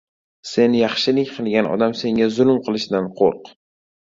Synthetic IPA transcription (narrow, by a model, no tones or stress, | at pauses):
se̞njɑχʃɪlɪkʲqʰɨlˠɡʲanɒ̰d̪amse̞ŋʲazʊlˠmqʰɨlˠɪʃd̪anqʰo̰ɾq